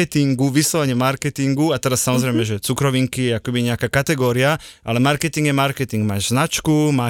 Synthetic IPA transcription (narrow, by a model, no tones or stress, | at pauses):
ɛt̪iŋɡuʋislɔʋɛɲɛmaɾkɛt̪iŋɡuat̪ɛɾasːamɔzɾɛjmɛʒɛt͡sukɾɔʋiŋkijɛakɛbiɲɛakaːkat̪ɛɡɔːɾiaʔa̰lɛmaɾkɛt̪iŋɡjɛmaɾkɛt̪iŋɡmaːʒznat͡ʃkuma